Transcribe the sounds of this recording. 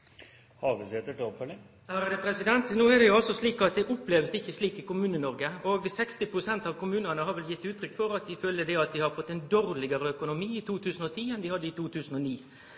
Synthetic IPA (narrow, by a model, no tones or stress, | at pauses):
hɑʋɪsɛt̪ːəʈɪɔpfœlɪŋ | æːɾəd̪ɛpʰɾɛsɪd̪ɛnt̪nuːɛɾd̪ɛjʊɑlsɔsliːkɑt̪̚d̪ɛʔʊpːleːʋəsɪçːəsliːkɪkʊmʉːnənɔɾɡəoːɡsɛkst̪ɪpɾʊsɛnt̪ɑʋkʊmʉːnənəɦɑɾʋɛljɪt̪ːʉːt̪ʰɾʏkːfɔɾɑt̪d̪ɪføːləd̪ɛɑt̪d̪ɪhɑɾfɔt̪ːɛnd̪oːɾlɪɡəɾəœkʊnʊmiːɪt̪ʰuːt̪ʰʉːsən̩ɔt̪ʰiːɛnd̪ɪhɑd̪ːəɪt̪ʰuːt̪ʰʉːsən̩ɔniː